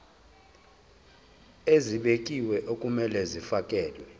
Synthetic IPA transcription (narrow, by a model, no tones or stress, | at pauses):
eziɓekʼiwɛʔokʼumɛlɛzifakʼɛːlwɛ